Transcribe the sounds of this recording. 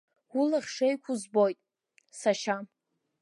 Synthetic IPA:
ulaχʲʂejkʷʰuzbo̞jtʼ | saʃa

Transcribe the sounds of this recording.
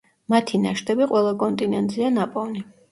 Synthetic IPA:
mat̪ʰina̰ʃt̪ʰɛbiqʼwɛlˠakʼɔnt̪ʼinɛnt̪ʼzianapʼɔvni

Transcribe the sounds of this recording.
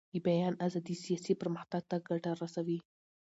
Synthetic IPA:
jibajɑnazad̪isijɑsipəɾməxt̪aɡ̚t̪aɡaʈaɾasawi

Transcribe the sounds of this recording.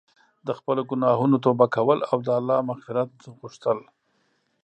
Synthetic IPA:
d̪əxpəloɡʊnɑɦunot̪obakawəlawd̪əalːɑmaxfɪɾat̪̚ɣuʃt̪əl

